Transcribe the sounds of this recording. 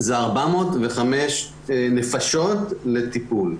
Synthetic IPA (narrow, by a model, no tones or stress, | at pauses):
zeaʁbamo̞ːt̪veχameʃ | nefaʃo̞tlet̪ipul